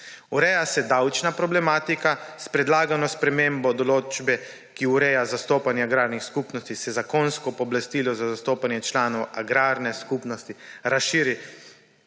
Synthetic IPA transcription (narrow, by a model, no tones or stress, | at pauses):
uɾɛjasɛd̪awt͡ʃnapɾɔblɛmaːt̪ikaspɾɛd̪laːɡanɔspɾɛmembɔd̪ɔloːd͡ʒbɛ | kiuɾɛjazast̪oːpanjɛaɡɾaɾnixskupnɔst̪isɛzakonskɔpɔblast̪iːlɔzazast̪oːpanjɛt͡ʃlaːnɔwaɡɾaːɾnɛskupnɔst̪iɾasʃiːɾi